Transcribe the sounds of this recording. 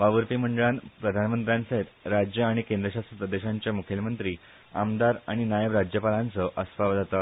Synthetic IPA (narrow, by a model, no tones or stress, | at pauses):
ʋaʋəɾpiːm̤əɳɖəɭanpɾəd̪ʱanmənt̪ɾjãnsəet̪ɾad͡ʑjəaɽ̃ikẽnd̪ɾəɕast̪ɾəpɾəd̪eɕaɲt͡ɕjamukʰjelmənt̪ɾiː | a̰md̪aɾaɽ̃inajəʋɾad͡ʑjəpalant͡səʔəsfaʋd͡zʱat̪a